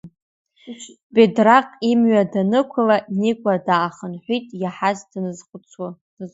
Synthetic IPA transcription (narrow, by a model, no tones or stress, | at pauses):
bedraqʼimɥadanɨkʷʰʊlanikʷʼadaːχənħʷitʼjaħazdnɨzχʷʊt͡sʰḁ